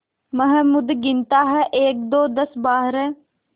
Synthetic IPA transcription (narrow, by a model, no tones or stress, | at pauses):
məɦɛmʊd̪ɡɪnt̪aːɦɛʔeːk̚d̪oːd̪ɐsbaːɦɾɛ